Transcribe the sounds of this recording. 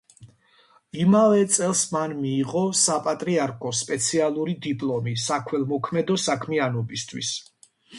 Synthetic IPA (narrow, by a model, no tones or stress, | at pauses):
imavɛt̪sʼɛlˠsmanmiːʁɔsapʼat̪ʼɾiaɾkʰɔspʼɛt̪sʰialˠuɾid̪ipʼlˠɔmisakʰwɛlˠmɔkʰmɛd̪ɔsakʰmianɔbist̪ʰwḭs